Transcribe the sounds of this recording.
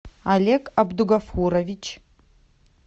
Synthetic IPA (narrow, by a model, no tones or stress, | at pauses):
alʲekʰʼabduɡafuɾovit͡ʃʰ